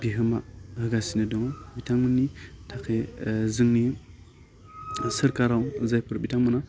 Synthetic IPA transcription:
biɦəma̰həɡasinadoŋobitaŋmənitʰakeziŋni | səɾkaɾauzajpuɾbitaŋmuna

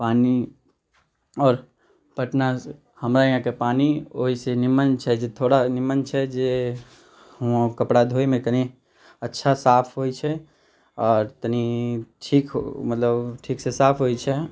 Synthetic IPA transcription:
paːni | ɔːɾ | pəʈna | həmɾajãkepaːnio̰ɦisenimənt͡ʃʰɛd͡ʒet̪ʰoɽanimənt͡ʃʰɛd͡ʒe | ɦuãkəpɽad̪ʱoimẽk̪əni | ətːʃʰasapʰɦoit͡ʃʰɛ | ɔːɾt̪niʈʰiːkmət̪ləbʈʰiːksesaːpʰɦojt͡ʃʰɛ

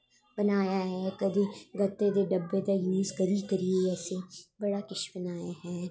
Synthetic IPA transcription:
bɐnaːjaɦɛkɐd̪eɡɐt̪ːed̪eɖɐbːed̪ajuːzkɐɾikɐɾieɛːsebɐɽakɪʃbɐnaːjaɦɛː

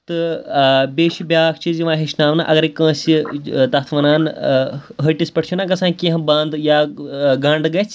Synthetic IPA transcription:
t̪ɨ | bʲeːʃibʲjaːk̚ʰt͡ʃiziʋãːɦeʃnaːmna̰ʔɐɡɐɾikə̃ːsʲit̪ɐt̪ʰʋɐnaːn | ɦɐʈʲispɐʈʰt͡ʃʰunakɐsãːkĩɦɐ̃bɐ̃nd̪jaːɡɐɳɖɡɐt͡sʰ

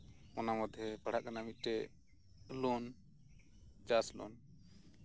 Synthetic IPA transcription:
ɔnamɔd̪ʱjɛbaɽ̤aʔkanamiʈɛ | lɔn | d͡ʒaslɔ̰n

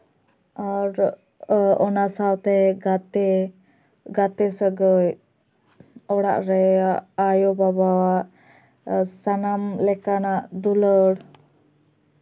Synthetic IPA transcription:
aɾ | ɔnasawt̪ɛɡat̪ɛ | ɡat̪ɛsəɡəj | ɔɽa̰ʔɾɛaajɔbabawaʔ | sanamlɛkanaʔd̪uləɽ

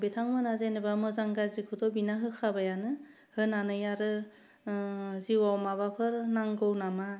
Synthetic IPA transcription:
betʰaŋmɯnazenɯbamɯzaŋɡazikʰɯdɔbinaɦɯkʰabajanɯ | hɯnanɯjaɾɯ | ziwawmabapʰɯɾnaŋɡɯwnama

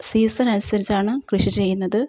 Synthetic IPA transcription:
siːsɐnɐnusɐɾit͡ɕːaːɳɨkrɨʂit͡ɕe̞jːunːɐðɨ

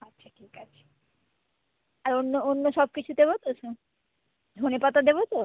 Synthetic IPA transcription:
atːɕʰaʈʰikat͡ɕʰḁ | aɾonːoonːoʃɔb̚kit͡ɕʰud̪eβot̪oʃʰo | d̪ʱonepat̪ad̪ebot̪o

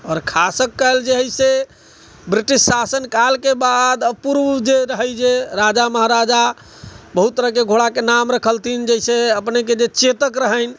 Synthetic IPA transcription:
ɔːɾkʰasəkːəeld͡ʒeɦəise | bɾiʈisːasənkalkebad̪əpuɾʋd͡ʒeɾəɦəjd͡ʒeɾad͡ʒaməɦaɾad͡ʒa | bəɦut̪ːəɾəkeɡʱoɽakenamɾəkʰəlt̪ind͡ʒəɦiseəpneked͡ʒet͡ʃet̪əkɾəɦəjn

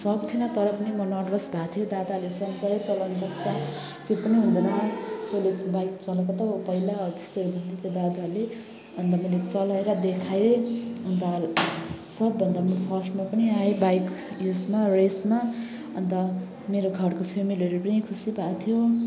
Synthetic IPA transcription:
sʌbt̪ʰinʌt̪ʌɾʌpʌnimʌnʌʈrʌsbʱat̪ʰijod̪ad̪alesʌnsʌet͡sʌland͡zʌkt͡sa | kepʌniɦũnd̪ʌnat̪olet͡sbajk̚t͡sʌlʌkot̪ʌpʌɦilat̪est̪oobʱʌnd̪et͡sʌ̃d̪ad̪ale | ʌnt̪ʌmʌlet͡sʌlaeɾʌd̪ekʰaeʌnt̪ʌ | sʌbːʌnd̪amʌpʰʌsʈmapʌniaebajk | jusmaresma | ʌnt̪ʌ | meɾoɡʱʌɽkopʰemileɾipʌnikʰusibʱat̪ʰijo

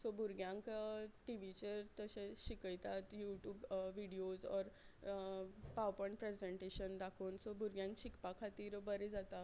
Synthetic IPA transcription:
sobʱuɾɡjãŋkʈiʋit͡ɕet̪əɕẽɕikəjt̪at̪juʈjuːbʋiɽiod͡zɔ̰ɾ | pawpɔɳpɾed͡zeɳʈeɕənd̪akʰoːnsobʱuɾɡjãŋkɕikpakʰat̪iːɾbəɾed͡zat̪a

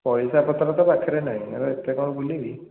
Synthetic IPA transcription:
pɔjsapɔt̪ɾat̪ɔpakʰiɾɛnaɦĩaɾɔet̪jakɔɹɔbulibi

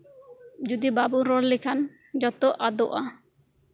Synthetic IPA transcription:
d͡ʒud̪ibabuɾɔllikʰan | d͡ʒɔt̪ɔʔad̪ɔʔa

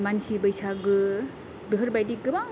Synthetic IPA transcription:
mansibəjsaɡɯ | bɯɦɯɾbajdiɡɯba

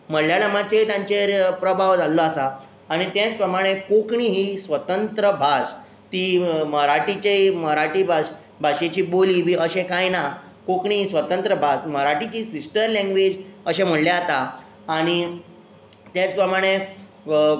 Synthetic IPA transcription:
m̤əɽljaɽəmat͡ɕet̪jãɲt͡ɕeɾpɾəbʱaʋd͡zalːoasaː | ɽ̃it̪jãt͡spɾəmaɽ̃ekokɳiɦiːsʋət̪ənt̪ɾəbʱaɕ | t̪iːməɾaʈit͡ɕeiməɦɾaʈibʱa | bʱaɕet͡ɕiːboliːʋiːʔəɕekajna | kokɳiːɦiːsʋət̪ənt̪ɾəbʱaɕməɦɾaʈit͡ɕiːsisʈəɾlãŋɡʋed͡ʑəɕem̤əɽlaat̪aː | ɽ̃i | t̪jat͡spɾəmaɽ̃e

